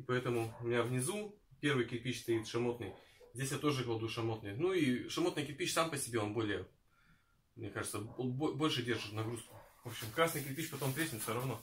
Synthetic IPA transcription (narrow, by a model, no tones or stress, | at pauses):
ɪpɐɛt̪əmʊʊmʲɪnʲavnʲɪzu | pʲe̞rvɨjkʲɪɾʲpʲiɕst̪ɐit̪ʂɐmo̞t̪nɨjzʲdʲesʲjat̪o̞ʐɨɡəlˠd̪uʂɐmo̞t̪nɨjnuiʂɐmo̞t̪nɨjkʲɪɾʲpʲit͡ɕsampəsʲɪbʲe̞o̞nbo̞lʲɪjə | mnʲekaʐɨt̪səbobo̞lʲʂɨdʲe̞rʐɨt̪nɐɡɾuskʊ̥vo̞pɕɪmkɾasnɨjkʲɪɾʲpʲit͡ɕpɐt̪o̞mt̪ɾʲetʲɪt̪fsʲoɾɐvno